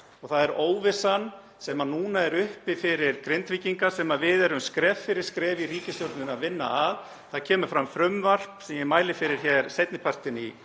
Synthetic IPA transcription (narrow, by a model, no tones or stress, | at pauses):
ɔɣθaðɛɾoːwvɪsan | sɛmanuːnaɛɾʏhpɪfɪɾɪɾ̥kɾent̪viciŋkasɛmavɪðɛɾʏmskɾɛːffɪɾɪɾ̥skɾɛːviriːcɪsjowɾt̪nʏnaðvɪnːa̰að | θaðcʰɛːmʏɾfɾamfɾʏmvar̥psɛmjɛmaːjlɪfɪɾɪɾ̥çɛɾ̥sejt̪nɪpʰar̥t̪ɪni